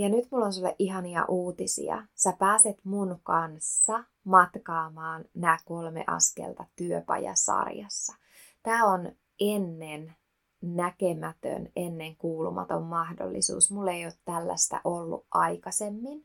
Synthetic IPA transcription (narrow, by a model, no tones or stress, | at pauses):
jɑnyt̪mulːonsulːḛʔiɦɑniɑ̰ʔuːt̪isḭɑ̰sæpæːset̪munkɑnsːɑ | mɑt̪kɑːmɑːnnæːkolmḛʔɑ̰skḛlt̪ɑt̪yøpɑjɑ̰sɑ̰rjɑsːɑ | t̪æːon | ʔenːen | nækemæt̪ø̰nenːeŋkuːlṵmɑ̰t̪o̰mːɑhdo̰lːḭsṵːsmulːejoːt̪t̪ælːæ̰st̪æ̰ʔolːṵʔʔɑjkɑsemːin